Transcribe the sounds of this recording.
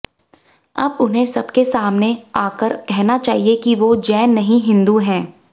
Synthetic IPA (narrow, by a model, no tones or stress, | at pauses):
ɐ̰bʊnɦẽsɐbkesaːmneaːkəɾkɛɦnat͡ʃaːɦiekiʋod͡ʒɛːnːɐɦĩɦɪ̃nd̪uɦɛ̃ː